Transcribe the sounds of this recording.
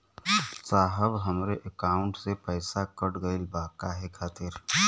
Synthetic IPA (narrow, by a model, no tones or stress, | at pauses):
saːɦəbɦəmɾeʔəkaːʊ̃ɳʈsepəːsakəɽɡəilbaːkaɦɛkʰaːt̪ɪɾ